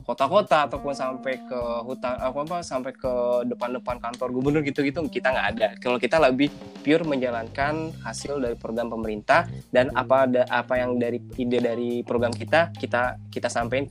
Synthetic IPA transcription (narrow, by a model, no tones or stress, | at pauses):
kot̪akot̪aːt̪awpʊnsampajkəɦut̪aŋəkapasampajkədəpandəpankant̪ɔrɡubərnʊrɡit̪uɡit̪ukit̪aŋɡaʔːdakalokit̪aləbɪh | piʊrməɲd͡ʒalankanhasɪldaɾipɾoɡɾampəməɾint̪ahdanapadaʔapajaŋdaɾiidadaɾipɾoɡɾamkit̪akit̪akit̪asampaɪn